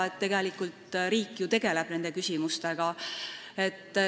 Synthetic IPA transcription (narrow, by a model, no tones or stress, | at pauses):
et̪ːe̞ɡe̞likˑult̪ɾiːkːˑjut̪e̞ɡ̥e̞le̞b̥ne̞nd̪̥e̞kysʲimust̪e̞ɡ̥ɑ | e̞t̪ː